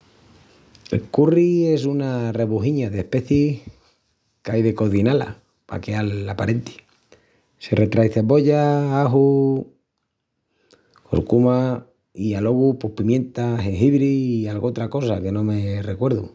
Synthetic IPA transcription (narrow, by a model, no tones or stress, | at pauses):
ḛkurie̞s̬unare̞βuɦiɲaðehpe̞θjih | kajðe̞ko̞ðinala̰ | pa̰kealapaɾe̞nt̪i̥ | sere̞t̪ɾajθe̞βo̞ʝaaɦu | ko̰ɾkuma | ialo̞ɣupo̞hpimjẽ̞nt̪aseɦiβɾiːalɣot̪ɾako̞sake̞nõ̞me̞re̞kwe̞ɾðu